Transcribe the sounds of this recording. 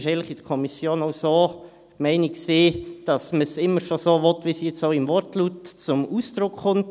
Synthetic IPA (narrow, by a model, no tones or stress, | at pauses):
ʃɛɪntləχid̥əkʰɔmisjoːnoʊsoː | mɛɪnɪksiːd̥ɑsməsɪmːəɾʃosoːvɔtːʋisjɛt͡soʊɪmvɔrtlutt͡sʊmuːsd̥ɾʊkχʊnt